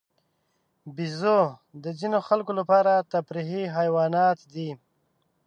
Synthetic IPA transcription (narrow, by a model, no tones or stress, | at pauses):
bizod̪əzinoxalkolapɑːɾat̪abɾiɦiɦajwɑːnɑt̪d̪i